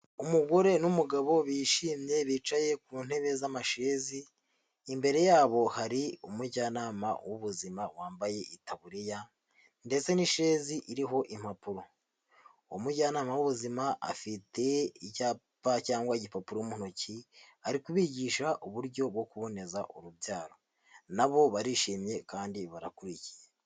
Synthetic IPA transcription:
umuɡo̞ɾe̞numuɡaβo̞βiʃiːmɲe̞βiːt͡ʃaje̞k̚uːn̥he̞βe̞zamaʃe̞ːziː | mbe̞ɾe̞jaːβo̞haɾiumuɟaːnaːma̰wuβuzimawaːmbaje̞itaβuɾija | nde̞t͡se̞niʃe̞ːziʔiɾiɦo̞ʔim̥hapuɾo̞ | omuɟaːnaːmawuβuzimaʔa̰fite̞icaːpacaːŋɡwaiɟipapuɾomunociaɾikuβiɟiːʃaʔuβuɾɟo̞bɡo̞kuβo̞ne̞zaʔoɾubɟaːɾo | naβo̞βaɾiʃiːmɲe̞kaːndiβaɾa̰kuɾici̥je

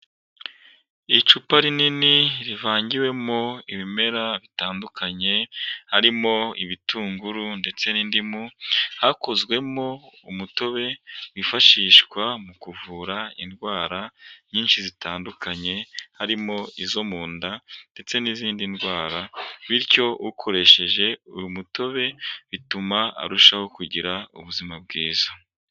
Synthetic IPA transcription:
it͡ʃupaɾininiɾivaːɲɟiwe̞mo̞iβime̞ɾaβitaːndukʰaɲe̞haɾimo̞iβitʰuːŋɡuɾunde̞t͡se̞nindimuhako̞zɡwe̞mo̞umuto̞βe̞wifaʃiːʃkwamukuvuːɾaḭndɡwaːɾaɲiːnʃizitʰaːndukʰaɲe̞haɾimo̞izo̞muːndand̥e̞t͡se̞niziːndindɡwaːɾaβiɾco̞ukʰo̞ɾe̞ʃe̞ʒe̞ṵjumuto̞βe̞βitumaa̰ɾuʃaho̞kuɟiɾaṵβuzimab̚ɡiːza

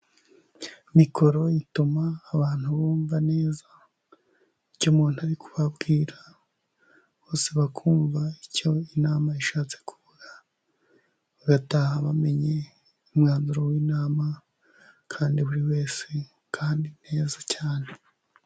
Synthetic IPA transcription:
mikʰo̞ɾo̞jitumaːβaːn̥huβoːɱvane̞ːza | iɾcomuːnuaɾikʰu̥βabɡiːɾa | βo̞ːseβakʰuːɱvaico̞inaːmaiʃaːt͡se̥kʰuβuɡa | βaɡatahaβame̞ɲe̞ | umŋaːnzuɾowiːnaːma | kʰaːndiβuɾiwe̞ːse̞ | kʰaːndine̞ːzacaːne̞

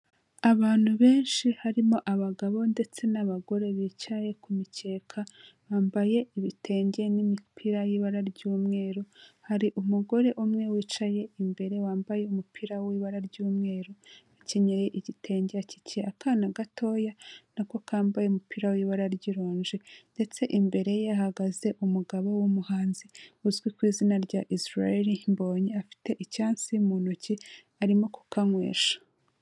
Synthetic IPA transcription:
aβaːn̥huβe̞ːnʃihaɾimo̞ʔaβaɡaβo̞nde̞t͡se̞naβaɡo̞ɾe̞βiːt͡ʃaje̞kumice̞ːkʰaβaːmbaje̞iβitʰe̞ːɲɟenimipʰiɾajiβaɾaɾɟuːmŋe̞ːɾohaɾiʔumuɡo̞ɾe̞ʔumŋe̞wiːt͡ʃaje̞ʔimbe̞ɾe̞waːmbaje̞umupʰiɾawiβaɾaɾɟuːmŋe̞ːɾoaceɲeɾeʔiɟitʰe̞ːɲɟeaci̥ceakanaɡatʰo̞ːjanako̞kaːmbajeumupiɾawiβaɾaɾɟiɾoːɲd͡ʒende̞t͡se̞ʔimbe̞ɾe̞jeaɦaɡaze̞ʔumuɡaβowumuhaːnziuzɡwikwiːzinaɾɟaʔisɾaeɾimbo̞ːɲeafi̥te̞ʔicaːnsiumuːnoci | aɾimo̞ku̥kaŋwe̞̰ːʃḁ

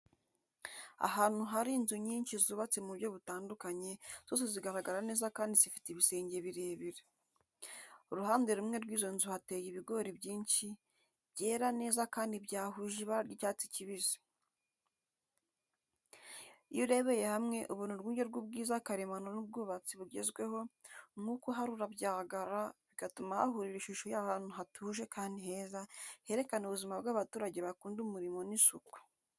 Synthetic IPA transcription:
a̰ɦaːn̥uɦaɾinzuɲiːnʃizuːβat͡semubjo̞βutaːndukaɲe̞z̥oːse̞ziɡaɾaɡaɾane̞ːzakaːndizifi̥teiβise̞ːɲɟe̞βiɾe̞ːβiɾe | uɾuhaːnde̞ɾumŋe̞ɾɡwiːzo̞nzuhate̞ːjiβiɡo̞ɾibɟiːnʃi̥ | ɟeːɾane̞ːzakaːndibɟaːɦuʒiβaɾjicaːt͡si̥ciβizi̥ | juɾe̞βe̞je̞hamŋe̞ʔuβunuɾɡuːɲɟe̞ɾɡubɡiːzakaɾemanonub̚ɡuːβat͡siβuɟe̞zɡwe̞ho̞nukuɦaɾuɾabɟaːaɡaɾaβikatumaha̰ɦuɾiɾiʃuʃojahaːnuɦatʰuːʒe̞kaːndiɦe̞ːzahe̞ɾe̞kanuβuzimabɡwaːβatuːɾaɟe̞βakuːndumuɾimo̞nisukwu̥

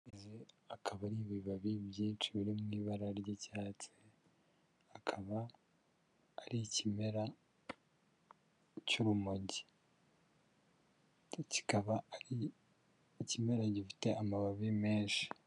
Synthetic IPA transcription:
eze | akʰaβaniβiβaβibjiːnt͡ʃuβiɾimŋiːβaɾaɾɟecaːt͡se | akʰaβa | ɾicimeɾa | cuɾumoɟi̥ | ci̥kaβaɾi | cime̞ɾaɟifi̥te̞ʔamaβaβimeːʃi̥

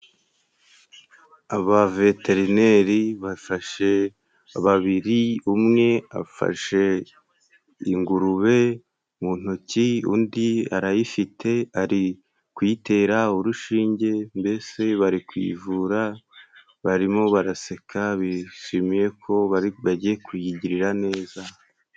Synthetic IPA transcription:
aβave̞te̞ɾine̞ɾiβafaʃe | aβaβiɾiumŋe̞a̰fa̰ʃe̞ | iŋɡuɾuβe̞ | mun̥uciṵːndia̰ɾajifitʰe̞aɾi | kwite̞ːɾauɾuʃiːɲɟe̞mbe̞se̞βaɾikwḭvuːɾa | βaɾimo̞βaɾase̞kʰaβiʃimije̞kʰo̞βaɾiβaɟijekwijiɟiɾiɾane̞ːza

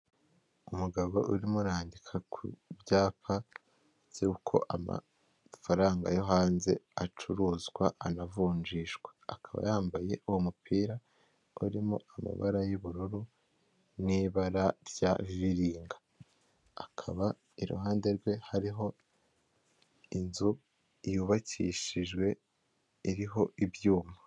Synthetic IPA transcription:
umuɡaβo̞ʔuɾimuɾaːndikʰakʰubjaːpa | z̥uukʰo̞̰ʔa̰ma̰ | faɾaːŋɡa̰joɦaːnze̞̰at͡ʃuɾuːzɡwaʔanavuːnd͡ʒiːʃɡwea̰kʰaβa̰jaːmbaje̞ʔuwomupʰiːɾa | uɾimo̰ama̰βa̰ɾajuβuɾuɾu | niːβaɾaɾɟaβiβiɾiːŋɡḁ | akʰaβa | iɾṵhaːnde̞ɾɡwe̞haɾiɦo̞ | inzu | ijuːβacḭʃiʒɡwe̞ | iɾiɦo̞ʔibjuːma

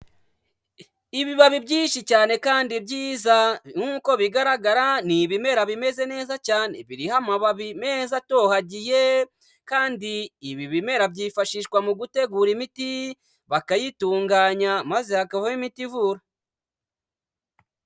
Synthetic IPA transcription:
iβiβaβibɟiːnʃicaːne̞kaːndibɟiːzaŋuːko̞βiɡaɾaɡaɾaniβime̞ɾaβime̞ze̞ne̞ːzacaːne̞̰βiɾihamaβaβime̞zato̞haɟije̞ | kaːndiːβiβime̞ɾabɟifaʃiʃkwamuɡute̞ɡuːɾimiti | βakajituːŋɡaɲamazehakaβoimitivuːɾa

